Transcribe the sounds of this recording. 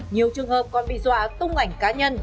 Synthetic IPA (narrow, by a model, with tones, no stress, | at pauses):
ɲi˨˩əwt͡ɕɨ˨˩əŋhəː˨˩p̚kɔ˨˩nɓḭ˧˨zwa̰ː˧˨˦t̪ʊ˧ŋ͡mʔa˨˧˩jŋ̟kaː˨˦ɲə˧n